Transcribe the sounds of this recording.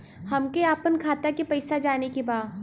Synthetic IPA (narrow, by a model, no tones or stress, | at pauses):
hɐmkeaːpənkʰaːt̪akepɐɪsad͡ʒaːnekebaː